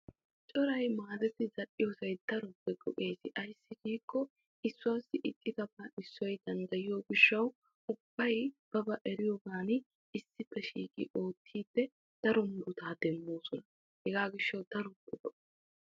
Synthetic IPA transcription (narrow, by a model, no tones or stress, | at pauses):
t͡ʃʼɔɾɐjmaːd̪ɛt̪ɪzɐʔɪjoːsɐjd̪̥ɐɾɔpːɛɡɔ̰ʔe̞ːsɪʔɐjsːɪɡiːkːɔ | ɪsːʊwaːsːɪʔɪkʼːɪt̪ɐbɐɪsːɔjd̪ɐnd̪ɐjɪjo̞ːɡɪʃːɐw | ʊb̥ːɐjb̥ɐbɐʔɛɾɪjoːɡaːnɪ | ɪsːɪpːɛʃḭːkʼɪ̰ʔo̞ːt̪ʰːiːbːɛ | d̪̥ɐɾɔmɾʊt̪aːd̪ɛmːo̞ːsɔnɐ | hɛɡaːɡɪʃːɐwd̪ɐɾɔpːɛɡɔʔ